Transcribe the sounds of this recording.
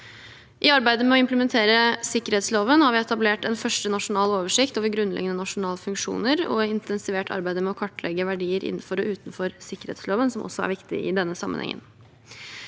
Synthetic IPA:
ʔɪɑɾbæɪd̪əmɛɔɪmpləmɛnt̪ʰeːɾəsɪkːəɾhɛːt̪sloːʋənhɑɾʋɪɛt̪ɑbleːʈɛnfœʂʈənɑʂʊnɑːloːʋəʂɪkt̪oːʋəɾɡɾʉnlɛ̰ɡənənɑʂʊnɑːləfʉŋkʂṵːnəɾɔ̰ɪnt̪ʰɛnsɪʋeːʈʰɑ̰ɾbæɪd̪əmɛɔkʰɑʈːlʔɛɡəʋæɖiːəɾʔɪ̰n̩ːfɔɾɔʉːt̪n̩fɔɾsɪkːəɾhɛ̰ːt̪sloːʋənsɔmʔɔ̰sɔæ̰ɾʋɪkt̪ɪ̰ɪ̰d̪ɛnːəsɑmːənhɛ̰ŋːʔə̰n

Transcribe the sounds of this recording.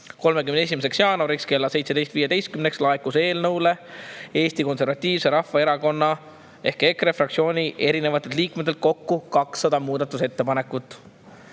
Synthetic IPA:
ko̞lme̞kymnd̪e̞s̬ʲimes̬e̞ksjɑːnoɾikske̞lːɑsejt̪se̥e̞jst̪viːjed̪e̞jst̪kymne̞kslɑekːˑuse̞ːlnɤwle̞e̞ːsʲt̪iko̞nse̞ɾvɑt̪ʲːˑiːvse̞ɾɑfːɑe̞ɾɑko̞nːɑ | e̞hke̞kre̞frɑk̚tsio̞ːnʲiʔe̞ɾine̞vɑt̪ːˑed̪liːkmet̪̬ːˑelt̪̚ko̞kːukɑksːɑd̪ɑmuːd̪̥ɑt̪ːˑuse̞t̪ːe̞pɑne̞kːˑut̪ːˑ

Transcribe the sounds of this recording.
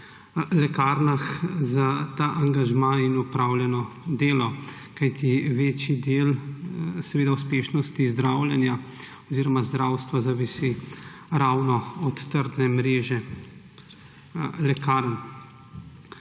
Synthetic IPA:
lɛkaɾnaxzat̪aʔaŋɡaʒmainupɾawljɛnɔd̪eːlɔ | kajt̪iʋeːt͡ʃid̪eːl | sɛʋeːd̪aus̬peːʃnɔst̪izd̪ɾawljɛnja | ɔziɾɔmazd̪ɾawst̪ʋazaʋisiɾawnɔɔt̪ːəɾd̪nɛmɾeːʒɛ | lɛkaɾn

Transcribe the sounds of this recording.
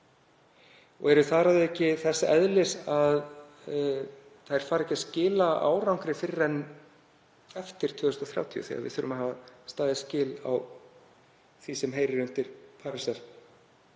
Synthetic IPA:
ɔ̰ɣɛɾʏθaːɾaðɛcːɪθɛsːaʔɛðlɪsað | θaðɛɾ̥faːɾɛhcːascɪːlaa̰ːwɾawŋkɾɪfɪɾɪrɛnː | ɛft̪ɪɾ̥t̪ʰvʏːɣʏsnt̪ɔθɾja̰wt̪ʰiʏ̰θḭa̰vɪ̰θʏɾʏmaɦaːvast̪aːðɪascɪːla̰w | θisɛmɦeːjɾɪɾʏnt̪ɪɾ̥pʰaːɾɪsɛɾ

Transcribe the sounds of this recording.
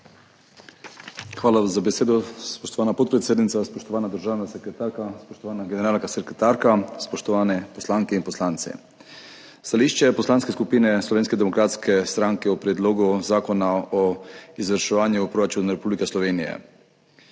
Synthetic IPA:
xʋaːlaazabeseːd̪ɔspɔʃt̪ɔʋaːnapɔt̪̚pɾɛt̪seːd̪nit̪saspɔʃt̪ɔʋaːnad̪əɾʒaːwnasɛkɾɛt̪aɾkaspɔʃt̪ɔʋaːnaɡɛnɛɾaːlkasɛɾkɾɛt̪aɾkaspɔʃt̪ɔʋaːnɛposlaːŋkɛinpɔslaːnt̪sɛ̰ | st̪aliːʃt͡ʃɛpɔslaːnskeskupiːnɛslɔʋeːnskɛd̪ɛmɔkɾaːt̪skʰɛst̪ɾaŋkɛɔpɾɛd̪loɡuzaːkɔnaɔizʋəɾʃɛʋaːnjupɾoɾat͡ʃunɾɛpublikɛslɔʋeːnijɛ̰

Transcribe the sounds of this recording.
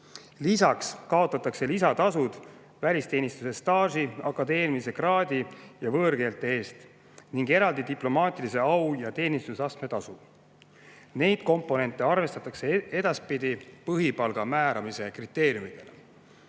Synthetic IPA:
lisɑkskɑo̞t̪ːˑɑt̪ːˑɑkse̞lisɑt̪ɑsud̪̥ | vælʲist̪e̞ːnist̪use̞st̪ɑːsiɑkˑːɑd̪e̞ːnmiise̞krɑːd̪ijɑvɤːrɡ̥e̞ːlt̪ːˑee̞ːst̪ | niŋɡe̞ɾɑld̪id̪iplo̞mɑːt̪ʲˑilise̞ɑwjɑt̪e̞ːnist̪usɑst̪me̞t̪ɑsu | ne̞jd̪̥ko̞mpːˑo̞ne̞nt̪ːˑe̞ɑrve̞st̪ɑt̪ːˑɑkse̞e̞d̪ɑspid̪̥ipɤɦipɑlɡ̥ɑmæːɾɑmise̞krit̪ːˑe̞ːɾjumid̪e̞le

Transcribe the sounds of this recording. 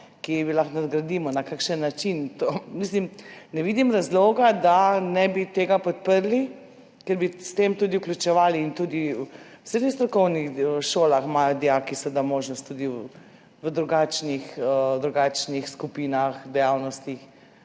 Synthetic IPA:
kiʋilaxnad̪ɡɾad̪iːmɔnakakʃənːat͡ʃint̪omislimnɛʋiːd̪imɾazloːɡad̪anɛbit̪eːɡapɔt̪̚pəɾli | kɛɾbist̪eːmt̪uːd̪iuklʲjut͡ʃɛʋaːliːnt̪uːd̪i | wsed̪ixst̪ɾɔkɔwnixəʃoːlaxmajɔd̪jakisɛd̪amoːʒnɔst̪ːuːd̪i | ʋəd̪ɾuɡat͡ʃnixəd̪ɾuɡaːt͡ʃnixskupiːnaxd̪ɛjawnɔst̪ix

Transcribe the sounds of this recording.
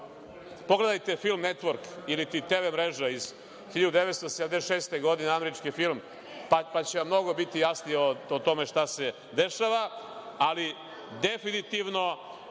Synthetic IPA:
poɡle̞d̪ajt̪e̞filˠmnet̪ʋoɾkilit̪it̪eːʋemɾeʒaiz | xiʎad̪ud̪eʋet̪st̪osed̪amd̪eʃeːst̪eɡo̞d̪ineameɾit͡ʃkifilˠm | papat͡ɕeʋamːno̞ɡo̞bit̪ijasnijeoot̪o̞meʃt̪ase̞ | d̪eʃaʋaali | d̪efinit̪iʋno̞

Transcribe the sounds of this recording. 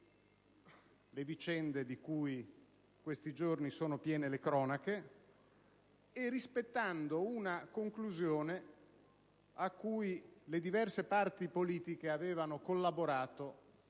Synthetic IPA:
levit͡ʃɛnd̪ed̪ikuj | kwest̪id͡ʒornisoːnopjɛːnelekɾɔːnake | erispet̪ːand̪ounakoŋkluzjoːne | akːujled̪ivɛrsepart̪ipoliːt̪ikeaveːvanokolːaboɾaːt̪o

